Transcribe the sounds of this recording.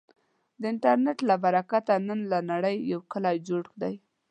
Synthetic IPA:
d̪əɪɳʈaɾneʈlabaɾakat̪anənlanaɽəjːawkəlɑjd͡ʒoɽkd̪aj

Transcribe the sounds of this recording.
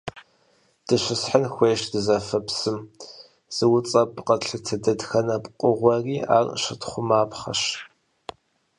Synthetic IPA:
d̥ɨɕʷɪsħənxʷeːʃdɨzɐfɐpsɨm | z̥ɨwʊt͡sʼɐpʼqɐɬɨtʰɐdɐdxɐnɐpqʷʼʊʁʷɐriːa̰ːrʃɪtχʷʊmaːpχɐ̰ɕ

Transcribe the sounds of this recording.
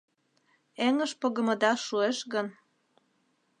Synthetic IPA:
eŋə̆ʃpoɣə̆mɤ̆d̪ɑʃueʃɣən

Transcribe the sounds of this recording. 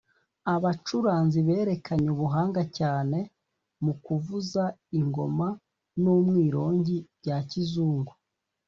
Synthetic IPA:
aβat͡ʃuɾaːnziβe̞ːɾe̞kʰaɲuβuɦaːŋɡacaːne̞ | mukuvuzaiŋɡo̞ma | numŋiːɾo̞ːɲɟiβɟacizuːŋɡu

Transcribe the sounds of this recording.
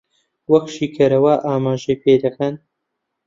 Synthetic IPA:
wɐkʃiːkʰɐɾɐwaːʔaːmaːʒɐjpʰeːd̪ɐkʰɐn

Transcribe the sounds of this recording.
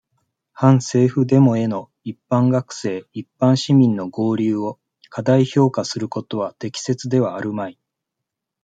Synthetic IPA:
hãɰ̃se̞ːɸɯ̟d̪e̞mo̞e̞no̞ | ipːãŋɡakɯ̟̥se̞ːipːãɰ̃ɕimʲĩnːo̞ɡo̞ːɾʲɨːo̞ | kʰad̪aiço̞ːkasɨɾɯ̟ko̞t̪o̞βat̪e̞kʲi̥se̞t͡sɨd̪e̞βaːɾɯ̟mai

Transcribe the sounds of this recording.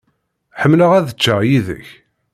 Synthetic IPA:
ħəmːləʁæðət͡ʃːəjiðə̰ç

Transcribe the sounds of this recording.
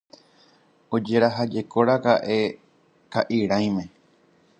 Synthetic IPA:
od͡ʒeɾaɦad͡ʒe̞ko̞ɾakaʔe̞ | kaʔiɾãj̃mẽ̞

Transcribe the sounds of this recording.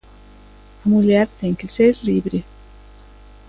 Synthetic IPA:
amuljaɾt̪eŋkeseɾliβɾe

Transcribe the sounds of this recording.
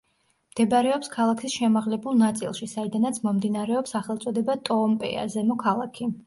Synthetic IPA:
md̪̥ɛbaɾɛɔpskʰalˠakʰisʃɛmaʁlɛbulˠnat̪sʼḭlˠʃisaid̪anat̪sʰmɔmd̪inaɾɛɔpsaχɛlˠt̪sʼɔd̪ɛbat̪ʼɔmpʼɛ̰a̰zɛnukʰalˠakʰi

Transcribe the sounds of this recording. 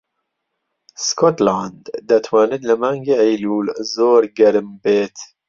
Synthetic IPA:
skot̪laːnd̪d̪ɐt̪ʰwaːnɨt̪lɨmaːŋɡeːejluːlzoːɾɡɐɾɨmbeːt̪

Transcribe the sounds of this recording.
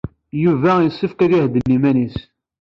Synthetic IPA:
juvæjəsˤːəfkæðjæhd̪ənːimænis

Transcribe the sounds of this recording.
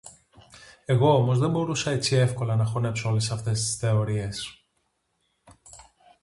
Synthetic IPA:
e̞ɣo̞omo̞zðe̞mbo̞ɾusɐe̞t͡sie̞fko̞lɐnɐxo̞ne̞pso̞o̞le̞sɐft̪e̞st̪i̥sθe̞o̞ɾie̞s

